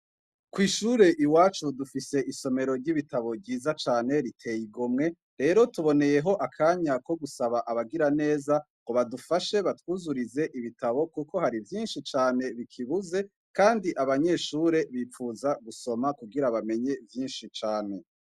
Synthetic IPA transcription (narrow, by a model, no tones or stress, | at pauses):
kwiːʃuːɾe̞ʔiwaːt͡ʃudufise̞ʔiso̞me̞ɾo̞ɾɟiβitaβo̞bɟiːzat͡ʃaːne̞ɾitʰe̞jiɡomŋe̞ | ɾe̞ːɾo̞tuβo̞ne̞je̞ɦo̞ʔakʰaːɲako̞ɡusaβaʔaβaɡiɾane̞ːzaŋɡoβadufaʃe̞βatwuzuɾize̞ʔiβitaβo̞kuko̞haɾivjiːnʃit͡ʃaːne̞βikʰiβuze̞ | kaːndiʔaβaɲe̞ʃuːɾe̞βiːfuzaɡuso̞makuɡiɾaβame̞ɲe̞vjiːnʃit͡ʃaːne̞